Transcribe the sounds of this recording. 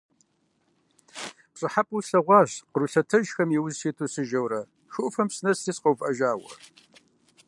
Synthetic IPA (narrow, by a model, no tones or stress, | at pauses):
ɕʼɨħapʼuɬɐʁʷɑːɕqəɾuɬɐtʰɐʒxɐmjiwʊzsiːtʰuːsɨʒɐwɾɐ | ʃʊʔʊfɐmsɨnɐstʰiːsqɐwfʼʔɐʒaːwɐ̰